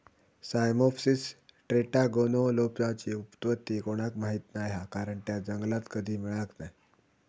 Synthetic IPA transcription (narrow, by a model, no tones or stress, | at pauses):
sajmɔfsisʈɾeʈaɡonolopjat͡ɕiːupt̪ʋət̪ːiːkoɽ̃akmaɦit̪najakaɾəɳt̪jad͡zəŋɡlat̪kəd̪ʱiːmiɭaknaj